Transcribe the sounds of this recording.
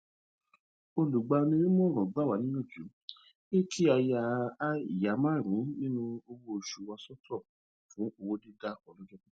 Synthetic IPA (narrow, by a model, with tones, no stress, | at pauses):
o˧lu˨ɡ͡ba˧nĩ˧nĩ˦mɔ̃˦˨ɾ̃ɔ̃˨ɡ͡ba˦˨wa˨˦nĩ˦nã˦˨d͡ʒu˨˦ | e˦kʰi˦a˧ja˧˦i˨ja˨˦mãː˦˨ɾ̃ĩ˨˦nĩ˦nũ˦o˧wo˦o˧ʃu˧wa˧sɔ˦tʰɔ˦˨ | fũ˨˦o˧wo˦de˦da˦ɔ˧˨lɔ̃˦d͡ʒɛ̃˦